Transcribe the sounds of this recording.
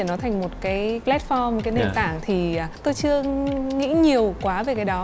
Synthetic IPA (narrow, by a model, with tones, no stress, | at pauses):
nɔ˨˦t̪ʰa˨˩ŋ̟mo˨˩t̚kaː˨˦jplɛ˦˥t̚fɔ˧m̚˨˩kaː˨˦ne˧˩nt̪aː˧˩ŋt̪ʰi˨˩a˨˩t̪o˧jt͡ɕɨ˧əŋḭ˧˥ɲi˨˩əwkwaː˨˦ve˨˩kaː˨˦jɗɔ˨˦